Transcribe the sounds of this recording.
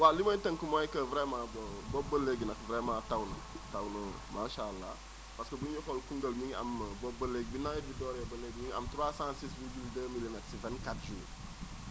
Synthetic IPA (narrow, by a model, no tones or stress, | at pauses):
waliməjtəŋkumojkəvɾemãbbobəleɡnɐkvɾemãtawnə | tawnə | maːʃalːa̰ | paskəbuɲoxolkuŋɡəlmiŋa̰mbobəleɡ̚binabidɔːɾabəleɡmiŋa̰mtɾaːsãsisvibildəmilimɛtsivɛ̃nkatʒul